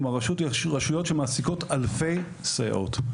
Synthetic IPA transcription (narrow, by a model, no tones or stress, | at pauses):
maʁaʃutʁaʃujotʃemaːsiko̞talfe̞j | saj̰ʔo̞̰t